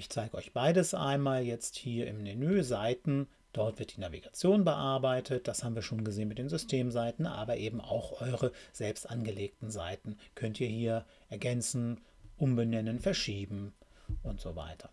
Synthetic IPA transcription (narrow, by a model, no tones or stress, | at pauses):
ʔɪçt͡saɪɡəɔʏçb̥aɪdəsʔa̰ɪnmaːljɛt͡sthiːɐʔɪ̰mnenøːzaɪtn̩ | d̥ɔɐtv̥ɪɐtd̥iːnavḭɡ̥at͡sjoːnbəʔaɐbaɪtʰət̚d̥ashaːbm̩viːɐʃoːnɡəzeːnmɪt̚d̥eːnzʏstʰeːmzaɪtn̩ʔa̰ːbɐʔeːbm̩a̰ʊxʔɔʏʁəz̥ɛlpstʔanɡəleːk̚tn̩za̰ɪtn̩kʰœntiːɐhiːɐ | ʔɛɐɡɛnt͡sn̩ | ʔʊmbənɛnənfɛɐʃiːbm̩ʔʊntz̥o̰va̰ɪtʰɐ̥